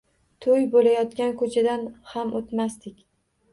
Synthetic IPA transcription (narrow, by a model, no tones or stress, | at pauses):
t̪ʰɵjbolajɒt̪kʲankʰɵt͡ʃʰad̪anhamot̪mast̪ɪkʲ